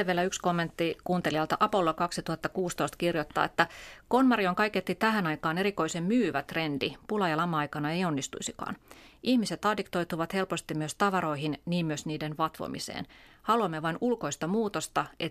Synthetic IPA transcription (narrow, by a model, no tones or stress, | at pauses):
eʋielæyksko̞mːe̞nt̪ːikuːnt̪eliɑlt̪ɑʔɑpo̞lːokɑksit̪uhɑt̪ːɑkuːst̪oist̪kirjot̪ːɑ̰ːet̪ːæko̞nmɑrioŋkɑiket̪ːit̪æɦænɑikɑːneɾiko̞isemmyːʋæt̪re̞ndipulɑjɑlɑmːɑɑjkɑnɑeio̞nːist̪ṵisikɑ̰ːnʔihmiset̪ɑːdikt̪o̞jt̪uʋɑt̪he̞lpost̪immyøst̪ɑʋɑɾo̞iɦinniːmmyøsniːdenʋɑt̪ʋo̰mḭsḛːnhɑluɑmːeʋɑinulko̞ist̪ɑmuːt̪ost̪ɑʔe